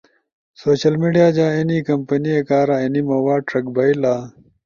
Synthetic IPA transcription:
soːɕɐlmiɖijaːd͡ʑaːenikɐmpɐniekaːɾaenimɐwaːɖ̚ʈɾɐk̚bɐilaː

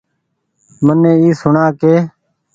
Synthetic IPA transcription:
mənːẽːiːsʊɳaːkeː

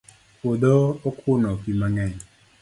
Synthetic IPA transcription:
kod̪ɔɔkʰʊnɔkimaŋɛɲ

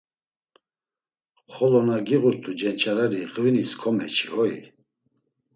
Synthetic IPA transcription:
χɔlɔnaɡiɣuɾt̪ʼud͡ʒɛnt͡ʃʰaɾaɾiqʼviniskʰɔmɛ̰t͡ʃʰiɔḭ

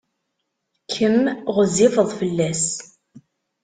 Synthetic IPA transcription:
kʰːəmʁəzɪvəðˤfəlːæs

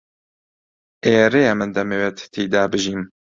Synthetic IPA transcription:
eːɾeːɛmɨnd̪ɛmeːwet̪t̪ʰiːd̪aːbɨʒiːm

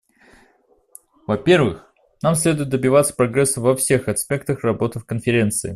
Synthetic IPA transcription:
vɐpʲe̞rvɨ̰x | namsʲlʲe̞d̪ʊjɪt̪̚d̪əbʲɪvat̪sə̥pɾɐɡɾɛsːəvɐfsʲe̞xɐspʲe̞k̚t̪əxrɐbo̞t̪ɨfkənfʲɪɾʲe̞nt̪sɨɪ

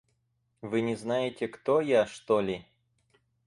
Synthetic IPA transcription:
vɨnʲɪznajɪtʲɪkt̪ojaʂt̪olʲɪ

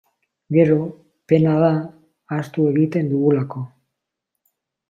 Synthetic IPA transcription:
ɡe̞ɾo̞ | pe̞nað̞aː | st̪ue̞ɣit̪e̞nd̪uɣulako̞

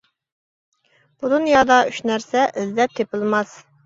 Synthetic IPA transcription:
b̥ud̪unjɑd̪ɑyʃnæɾsɛʔɪzd̪ɛp̚t̪ʰːepɨlˠmɑs

